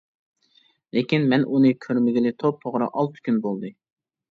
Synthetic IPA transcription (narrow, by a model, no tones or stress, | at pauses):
lekʲinmɛnunɨkʲʰøɾmɪɡʲɪlɪt̪ʰop̚t̪ʰoʁɾɑ̰ʔɑlˠt̪ʰɨ̥kʲynbolˠd̪ɨ